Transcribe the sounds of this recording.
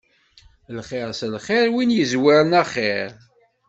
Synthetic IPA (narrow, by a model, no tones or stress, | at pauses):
lχeɾslχeɾwinjəzwiɾˤənæχeɾ